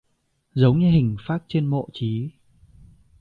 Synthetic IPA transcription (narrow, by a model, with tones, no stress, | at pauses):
zə˨˦wŋ͡mɲɨ˧ɦï˨˩ŋ̟faː˦˥t̚t͡ɕe˧nmo̰˧˨t͡ɕi˨˦